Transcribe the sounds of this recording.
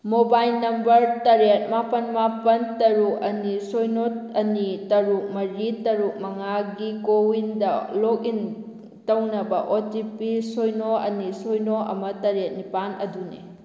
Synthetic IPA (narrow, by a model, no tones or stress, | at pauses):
mobajlnɐmbɐɾtɐɾet̚mapɐnmapɐntɐɾuk̚ɐnisojnoɐnitɐɾuk̚mɐɾitːɐɾuk̚mɐŋaɡikowindɐlok̚in | tɐwnɐbɐʔotipisojnoɐ̰nisojnoʔɐ̰mɐtɐɾet̚nipanɐdunḛ